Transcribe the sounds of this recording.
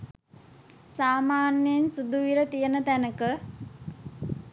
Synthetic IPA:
saːmaːnjəjensud̪uʋiɾət̪ijənət̪ænəkə

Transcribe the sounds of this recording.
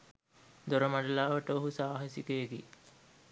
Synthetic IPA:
d̪oɾəmaɖɐlaːʋəʈəoɦusaːɦesikeːɡi

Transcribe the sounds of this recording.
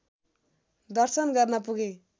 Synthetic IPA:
d̪ʌrsʌnɡʌrnʌpuɡe

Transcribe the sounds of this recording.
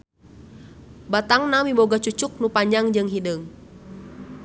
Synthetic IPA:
bat̪aŋnamimboɡat͡ʃut͡ʃʊk̚nupaɲaŋd͡ʒɨŋɦidəŋ

